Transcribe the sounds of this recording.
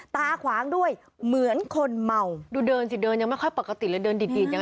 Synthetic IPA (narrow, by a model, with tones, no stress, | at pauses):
t̪aː˧kʰwaː˩˦ŋdu˥˩əj | mɯ˨˩˦ənkʰo˧nma˨˩wduː˧dɤː˧nsi˨˩dəː˧nɲa˧ŋma˥˩jkɔ˧˥˩jpɔ˨˩ka˧t̪i˨˩lɛː˨˦dəː˧ndi˨˩di˨˧˩ɲa˧